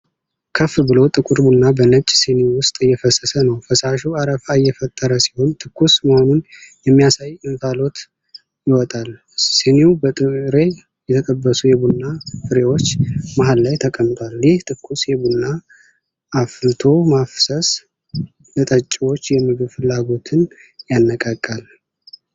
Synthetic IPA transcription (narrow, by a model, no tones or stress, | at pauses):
kʰəfbɨlo̞t̪ʼɨkʼuɾbunːabənət͡ʃʼːsenewʊst̪ʼɨjːɛfəsːəsənəwfəsaʃuaɾəfajɛfət̪ʼːəɾəsi̥ho̞nt̪ʰɨkʰːusməho̞nunjɛmːijasajɨnfalo̞t̪ | jɪwɔt̪ʼal | seneubət̪ʼɨɾe̞ | jɛt̪ʰəkʼəbːəsujɛbunːafɨɾe̞wo̞t͡ʃːmaɦalːajt̪ʰəkʼəmt̪ʰʼwaljɪht̪ʰɨkːusjɛbunːa | ʔːflt̪ʰo̞mafsəs | bət̪ʼət͡ʃʼːiwot͡ʃːjɛmɨɡɨβfɨlːaɡo̞t̪ʰɨn | janːəkʼakʼːal